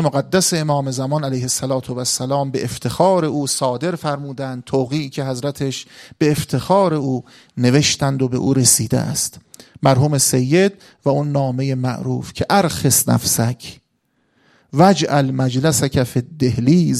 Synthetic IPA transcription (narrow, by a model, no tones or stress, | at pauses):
moɣæd̪ːæseemɒːme̞zæmɒnælæjhesːælɒːt̪ʰovæsːælɒːmbe̞ʔeft̪ʰe̞xɒːɾe̞ʔuːsɒːd̪e̞ɾfæɾmuːd̪ænd̪̚t̪ʰoːɣiːcʲʰe̞ɦæzɾæt̪ʰeʃb̥e̞ːft̪ʰe̞xɒːɾe̞uː | ne̞ve̞ʃt̪ænd̪obe̞ʔuːɾe̞siːd̪ḛʔæ̰st̪mæɾɦuːme̞sejːe̞d̪̚ | væunːɒːme̞jemæ̰ʔɾuːfcʰe̞ʔæɾxesnæ̰fsækʰ | væd͡ʒʔælmæd͡ʒlæsækʰæfed̪ːe̞hliːz